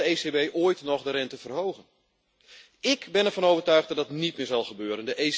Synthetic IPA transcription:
əeːsebejʔoəjtnɔχdəɾɛntəvərɦowɣən | ɪkbɛnɛrvɔnowvərtœɥχdɔtdɑtnit̚mɪːɹzɑlˠχəbøːɾəndəʔe

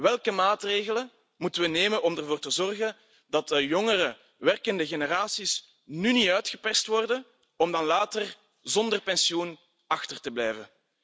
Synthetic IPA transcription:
ʋɛlˠkəmaːtreːɣələn | mutənʋəneːmənɔmərvoːrtəzɔrɣən | dɑt̚əjɔŋəɾə | ʋɛrkəndəɣeneɾaːsis | nyniœɥtxəpɛrstʋɔrdən | ɔmdɑnlaːtər | zɔndərpɛnsiun | ɑxtərtəblɛjvən

